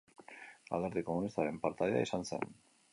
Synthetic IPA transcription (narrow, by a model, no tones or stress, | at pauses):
a̰lɣeɾðiko̞munist̪aɾe̞mpaɾt̪aðea̰isanse̞̰n